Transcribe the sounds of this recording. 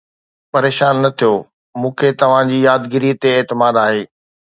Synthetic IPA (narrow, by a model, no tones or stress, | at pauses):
pɐɾeːʃaːnːɐt̪ʰijoː | mũːkʰet̪ɐʋ̤ãd͡ʑiːjaːd̪ɡɪɾit̪eːɦt̪ɪmaːd̪aːɦeː